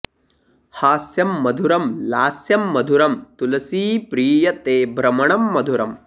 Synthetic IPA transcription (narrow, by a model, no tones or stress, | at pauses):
haːsjɐmːɐd̪ʱuɾɐmlaːsjɐmːɐd̪ʱuɾɐmt̪ulɐsiːpɾiːjɐt̪eːbʱɾɐmɐɳɐmːɐd̪ʱuɾɐm